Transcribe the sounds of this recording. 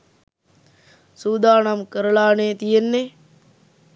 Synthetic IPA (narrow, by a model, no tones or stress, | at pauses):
suːd̪ʱaːɳamkəɾəlaːnet̪ijenːe